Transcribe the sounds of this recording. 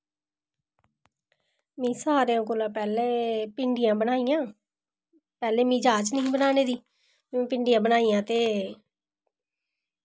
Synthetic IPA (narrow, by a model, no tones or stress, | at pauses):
mɛ̃ːsaːɾejãːkoːlãːpɛːleːpɪɳɖɪjãːbənaːijãː | pɛːleːmĩːd͡ʒaːt͡ʃnəɦĩːbənaːneːd̪ĩː | pɪɳɖijãːbənaːiːjãːt̪eː